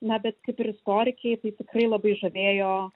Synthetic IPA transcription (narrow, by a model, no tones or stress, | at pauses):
nɐbʲɛt̪kɐɪpɪɾɪst̪oːɾʲɪkʲɛɪt̪ɐɪt̪ʲɪkrɐɪlˠɐbɐɪʒɐʋʲeːjoː